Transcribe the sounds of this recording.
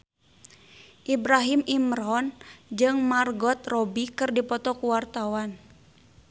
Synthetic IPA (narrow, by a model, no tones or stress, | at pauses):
ʔibɾaɦimimrɔnd͡ʒɨŋmarɡɔt̪̚rɔbikɨrdipɔt̪ɔkuwart̪awan